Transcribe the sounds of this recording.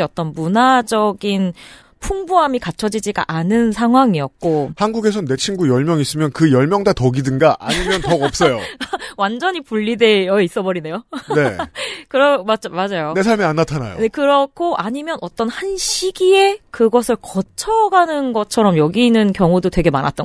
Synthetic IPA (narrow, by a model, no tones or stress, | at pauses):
ʌt͈ʌnmunad͡ʑʌɡin | pʰuŋbuɦamikat͡ɕʰʌd͡ʑid͡ʑiɡa̰ʔanɯnsʰaŋɦwaŋiʌt̚k̚k͈ohanɡuɡe̞sʰʌnːe̞t͡ɕʰinɡujʌɭmjʌŋis͈ɯmjʌnkɯjʌɭmjʌŋdatʌɡidɯnɡaʔa̰ɲimjʌntʌɡʌp̚s͈ʌjowand͡ʑʌɲipuɭːide̞jʌis͈ʌbʌɾine̞jone̞kɯɾʌmad͡ʑmad͡ʑajone̞sʰaɭmianːatʰana̰jo̰nekɯɾʌkʰoʔaɲimjʌnʌt͈ʌnhanɕʰiɡie̞kɯɡʌsʰɯɭkʌt͡ɕʰʌɡanɯnɡʌt͡ɕʰʌɾʌmjʌɡiːnɯnkjʌŋudotwe̞ɡemana̰t͈̚ʌ